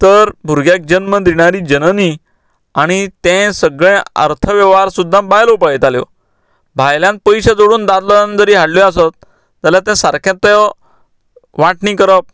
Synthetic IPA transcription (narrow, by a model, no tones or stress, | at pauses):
t̪əɾbʱuɾɡjak̚d͡ʑənməd̪iɽ̃aɾiːd͡ʑənəni | aɽ̃it̪ɛ̃səɡɭɛ̃ə̰ɾt̪ʰəʋəʋaɾsud̪ʱːãbajlopajt̪aljɔ̰ | bʱajljãn̚pəjɕəd͡zoɽuːnd̪ad̪lɔand͡zəɾiːɦaɽliasət̪̚ː | aljat̪ɛ̃saɾkʰãt̪ːəj | ʋaʈnĩːkəɾəp̚